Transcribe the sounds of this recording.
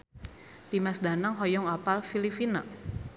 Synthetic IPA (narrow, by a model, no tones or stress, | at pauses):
d̥imasdanaŋɦɔjɔŋapalfilifina